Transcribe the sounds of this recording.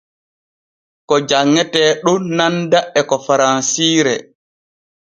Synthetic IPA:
kɔd͡ʒaŋːɛtɛːɗunandaɛkɔfaɾansiːɾɛ̰

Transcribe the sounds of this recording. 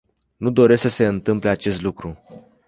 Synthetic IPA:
nud̪o̞ɾe̞sksəse̞ɨnt̪ɨmpleat͡ʃe̞st̪lukɾu

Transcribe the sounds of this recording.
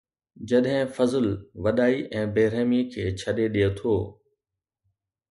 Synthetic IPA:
d͡ʑɐɗɦɪ̃fɐzəlʋɐɗaːiʔɛ̃ːbeːɾeːmikʰeːt͡ɕʰɐɗeɗijet̪ʰoː

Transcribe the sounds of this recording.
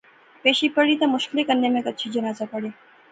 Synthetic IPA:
peʃipəɽit̪amʊʃklikənːjemẽkət̪ːʃʰid͡ʒənaːt͡sapəɽe

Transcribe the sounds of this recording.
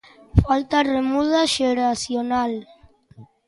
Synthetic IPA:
falt̪aremuðaʒeɾasjonal

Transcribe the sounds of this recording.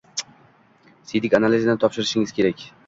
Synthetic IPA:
sid̪ɪkʲanalizjanɪt̪ʰɒpʃɪɾɪʃɪŋɪz̥kʲʰe̞ɾakʲ

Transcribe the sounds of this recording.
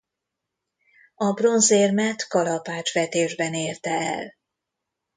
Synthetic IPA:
ɒbro̞nzeːrmɛt̪kɒlɒpaːt͡ʃʋɛt̪eːʒbɛneːrt̪ɛɛ̰l

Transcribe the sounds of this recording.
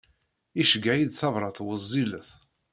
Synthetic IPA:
iʃəɡaid̪θɑvɾˤɑθwəzˤːiləθ

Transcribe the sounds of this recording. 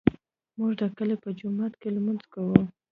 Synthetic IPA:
muʒd̪əkəlepəd͡ʒʊmat̪kelmanzkawu

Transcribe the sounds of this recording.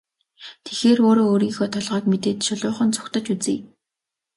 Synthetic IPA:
t̪ʰe̥xeːroːɾoːoːɾiːxoːt̪ʰɔɮʁœːkmet̪eːt̪ʃʊɮʊːχə̆nt͡sʰʊ̥xt̪ə̆t͡ɕut͡siː

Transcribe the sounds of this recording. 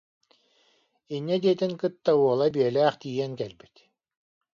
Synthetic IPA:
inʲːɛd̪iɛt̪iŋkɯt̪ːauɔlˠabiɛlæːχt̪iːjɛŋkɛlbi̥t̪

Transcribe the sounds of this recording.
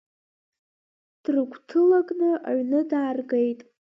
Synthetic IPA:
d̥rɨɡʷtʰɨlaɡʼnɨʔa̰ɥnɨdaːrɡejtʼ

